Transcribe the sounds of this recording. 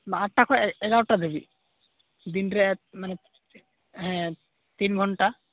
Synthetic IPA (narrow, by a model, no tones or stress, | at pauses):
maaʈːakʰɔɛɡawʈad̪ebḭ | d̪inɾɛʔmanɛ | ɦɛ̃ | t̪inɡʱɔɳʈa